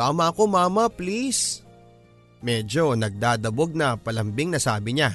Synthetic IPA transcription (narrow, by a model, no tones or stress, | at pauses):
t̪aːmɐʔɐko̞maːmɐplis | mɛːd͡ʒo̞nɐɡ̚d̪aːd̪ɐboɡ̚nɐpɐlɐmbɪŋnɐsaːbɪɲa